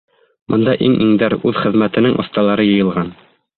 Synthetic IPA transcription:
bŏnd̪ɑʔiŋʔiŋd̪æɾʉðχɘ̆ðmæt̪ɘ̆nɘŋʔŏ̰θt̪ɑlˠɑɾɤjɤ̆jɤ̆lˠʁɑn

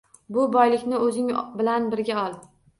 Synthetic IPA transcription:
bʊbɒjlɪkʲnɪɵzɪŋbɪlanbɪɾɡʲaɒlˠ

